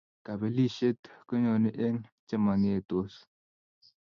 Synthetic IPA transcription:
ka˨be˨li˦ʃe˦tkɨ˦ɲɔ˨ni˦ʔe˦ŋt͡ʃe˦ma˨ŋe˦˨to˦s

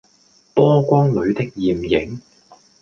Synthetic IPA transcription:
pɔː˥kʷɔː˥ŋlɵ˨˧ɥt̪ɪ˥k̚jiː˨˩mjɪ˨˥ŋ

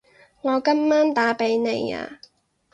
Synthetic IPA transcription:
ŋɔː˨˧kɐ˥mːaː˥nt̪aː˨˥pe˨˥jne˨˧ja̰ː˧

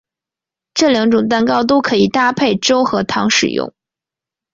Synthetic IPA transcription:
ʈ͡ʂɤ˥˩ljɑ˧˥ŋʈ͡ʂʊ˨˩ŋt̪a˥˩nkɑ˥ʊt̪o˥ʊkʰɤ˧˥i˨˩t̪a˥˧pʰe˥˩ɪʈ͡ʂo˥ʊxɤ˧˥t̪ʰɑ̰˧˥ŋʂɻ̩̰˨˩jʊ̰˥˩ŋ

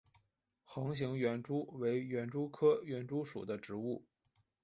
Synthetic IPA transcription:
xɤ˧˥ŋɕ̬i˧˥ŋɥɛ˧˥nʈ͡ʂu˥we˧˥ɪɥɛ˧˥nʈ͡ʂu˥kʰɤ˥ɥɛ˧˥nʈ͡ʂu˥ʂṵ˨˩d̪ə˦ʈ͡ʂɻ̩˧˥u˥˩

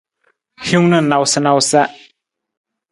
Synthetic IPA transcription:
hju˦ŋnə˦˨na˨wsə˦na˧wsa˦ʔ

